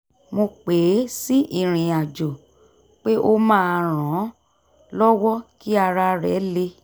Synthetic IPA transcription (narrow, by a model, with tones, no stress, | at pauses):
mo˧k͡pe˨˦si˦ʔi˦˨ɾ̃ĩ˨a˨d͡ʒo˨ | k͡pe˦ʔo˧mãː˦˧˨ɾ̃ɔ̃˨˦ | lɔ˦wɔ˦ki˦a˧ɾa˧ɾɛ˨˦le˧